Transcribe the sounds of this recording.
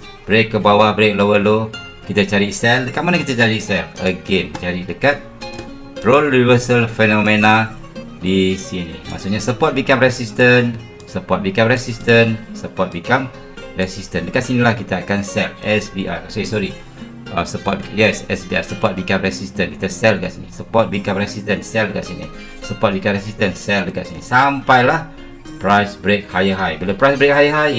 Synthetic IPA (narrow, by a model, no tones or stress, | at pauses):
b̥ɾekːəbawahbɾek̚lowəlo | kit̪at͡ʃaɾisɛldəkat̚manakit̪at͡ʃaɾisɛləɡent͡ʃaɾidəkat̪̚ | rolɾivəsəlfɛnɔ̃mẽna | disinḭma̰ʔsoʔɲasəpɔt̚bikamɹɛsist̪ən | səpɔt̚bikamɹɛsist̪ənsəpɔt̪̚bikam | rɛsistə̃ndəkaʔsinilahkit̪aːkansɛlɛsbiʔa̰jasɔɾisɔɾi | ʔasəpɔt̚bijɛsɛsbia̰jsəpɔt̚bikamɹɛsistənki̥t̪asɛldəka̰ʔsinisəpɔt̚bikamɾɛsistənsɛldəka̰ʔsinḭ | səpɔt̚bikamɾɛsistənsɛldəka̰ʔsinḭsampajlah | pɾajsbɾek̚hajəɦajbilopɾajsbɾek̚hajəɦaj